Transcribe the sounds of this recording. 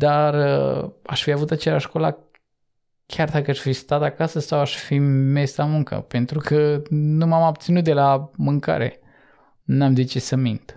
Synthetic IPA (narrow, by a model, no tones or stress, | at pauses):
d̪arəa̰ʃfiavut̪at͡ʃelaʃkola̰ | kʲʰard̪akəaʃfist̪at̪akasəsawaʃfime̞samuŋkə̰pe̞nt̪ɾukʰənumamob̚t̪sinut̪̚d̪e̞lamɨŋka̰ɾe̞̰ | namzit͡ʃesəmint̪